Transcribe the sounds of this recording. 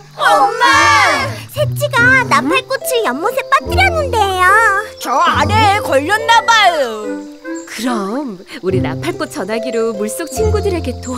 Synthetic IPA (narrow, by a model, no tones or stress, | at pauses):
sʰet͡ɕ͈iɡanapʰaɭk͈ot͡ɕʰɯjʌmːosʰep͈at͈ɯɾjʌnːɯnde̞jot͡ɕʌanekʌʎːʌnːabajo | kɯɾʌm | uɾina̰pʰaɭk͈ot̚t͡ɕʰʌnɦaɡiɾomuɭs͈ok̚t͡ɕʰiŋɡudɯɾe̞ɡe̞t͈o